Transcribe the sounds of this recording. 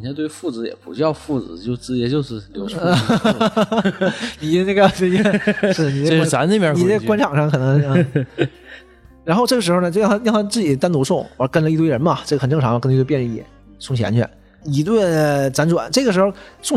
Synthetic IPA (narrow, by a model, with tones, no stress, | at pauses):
ɕʰa˥˧t̪we˥˩˧fu˥˩t͡sɹ̩˧˥jɛ̰˨˩pu˧˥ɕy˥jɑ˥˧ʊfu˥˩t͡sɹ̩˧˥t͡ɕjo˥˩ʊt͡sɹ̩˥t͡ɕɛ˧˥t͡ɕjo˥˧ʊʂɻ̩˥˩˧jo˥˩˥ | ni˨˩˥n˥˧ɡjɑ˥˩t͡sɹ̩˥t͡ɕɛ˥ʂɻ̩˥˩ə˩ni˨˩˥a˧˥n˥˩pja˥˧˥i˨˧˩kwa˥nʈ͡ʂʰɑ˨˩ŋʂɑ˥˧ŋkʰɤ˨˩n˧˥ŋ˥˧˥ | ɻa˧˥nxʊʈ͡ʂɤ˥˩ə˩ʂɻxo˥˧ʊnə˩t͡ɕo˥˧ʊjt̪ʰa˥jɑ˥˧ŋnt̪ʰa˥t͡sɹ̩˥˩t͡ɕi˨˩ə˦t̪a˥nt̪u˧˥sʊ˥˩ŋ˧˥kə˥nlə˧i˥˧we˥˩ɪɻə˧˥nmɐ˧˨ʈ͡ʂɤ˥˩ɡə˩xə˨˩nʈ͡ʂɤ˥˩ŋʈ͡ʂʰɑ˧˥ŋmɐ˧knli˥twjnɻə˧˩i˥˩jɛ̰˨˩˦ | sʊ˥˩ŋɕʰja̰˧˥nt͡ɕʰɥɛ̰˧˩˦n | i˨˩t̪we˥˩˧t͡sa˧˥nʈ͡ʂwa̰˨˧˩nʈ͡ʂɤ˥˩ɡə˩ʂɻxo˥˧ʊsʊ˥˧ŋ